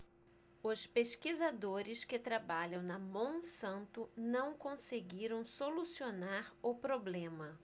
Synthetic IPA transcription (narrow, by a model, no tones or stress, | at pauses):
ʊspeskizad̪oɾɪskɪt̪ɾabaʎɐ̃w̃nɐmõw̃sɐ̃nt̪ʊnɐ̃w̃kõseɡiɾɐ̃w̃solusionaɾʊpɾoblẽmɐ